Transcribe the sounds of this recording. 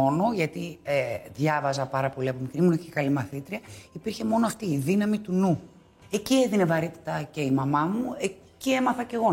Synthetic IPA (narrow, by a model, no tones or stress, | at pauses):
o̞no̞ʝɐt̪ieðʝɐvɐzɐpɐɾɐpo̞liɐpomikɾimunoeçekɐlimɐθit̪ɾiɐipiɾçe̞mo̞noɐft̪iːðinɐmit̪unu | e̞cieðine̞vɐɾit̪i̥t̪ɐce̞imɐmɐmuecie̞mɐθɐce̞ɣo̞